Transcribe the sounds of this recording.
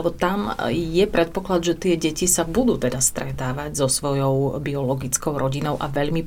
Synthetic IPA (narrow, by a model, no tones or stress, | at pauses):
bɔt̪amjɛpɾɛt̪̚pɔklad̪ʒɛt̪ɪɛɟɛcisabud̪uːt̪ɛd̪ast̪ɾɛt̪aːʋaɟzɔsʋɔjɔʊbiɔlɔɡit͡skɔʊɾʔɔɟinɔʊʔaʋɛʎmi